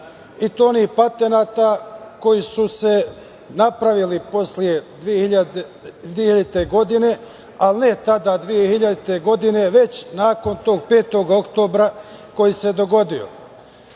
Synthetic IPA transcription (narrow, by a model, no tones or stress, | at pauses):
it̪oːniːpat̪e̞naːt̪ako̞jisuse̞ | napɾaʋilipo̞slije̞d̪ʋieia | ieijad̪it̪e̞ɡo̞d̪ine̞ | alne̞t̪ad̪aːd̪ʋijehiʎad̪it̪e̞ɡo̞d̪ine̞ʋe̞t͡ɕnaːko̞nt̪o̞ːɡ̚pe̞ːt̪o̞ɡo̞kt̪o̞ːbɾa | ko̞jise̞d̪o̞ɡo̞d̪io̞̰